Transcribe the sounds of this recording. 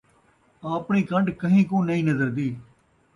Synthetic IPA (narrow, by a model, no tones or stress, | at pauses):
aːpɳiːkə̃ɳɖkəɦĩːkõːnəĩːnəzəɾd̪iː